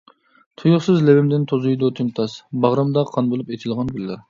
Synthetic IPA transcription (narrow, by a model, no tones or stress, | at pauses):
t̪ʰujʊχsɨzlɛbɪmd̪ɪnt̪ʰozujd̪ot̪ʰɪmt̪ʰɑsbɑʁɾɑmd̪ɑqʰɑnbolˠupet̪ʰɪlˠʁɑnɡylːɪɾ